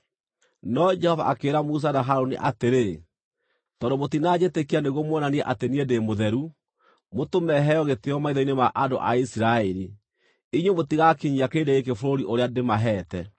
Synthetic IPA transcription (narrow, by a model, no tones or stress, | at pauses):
nɔd͡ʒɛhɔva̰ʔakeːɾamus̬anaɦaɾoniʔateɾe | tɔndomotinad͡ʑetekianeɣomwɔnaniɛʔateniedemoðɛɾu | motomɛɦɛjɔɣeteɔmaiðainemaʔando̰ʔa̰isiɾaɛɾi | iɲwomotiɣakiɲiakedeek̬efoɾoɾiʔoɾeademaɦɛːtɛ